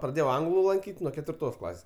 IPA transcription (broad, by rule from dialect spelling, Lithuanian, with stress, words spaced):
prɐˈdʲeːjɛʊ ˈɐŋɡlˠʊ lˠɐŋʲˈkʲiːtʲ nuɔ kʲɛtʲʋʲɪrˈtoːs ˈklˠɑːsʲeːs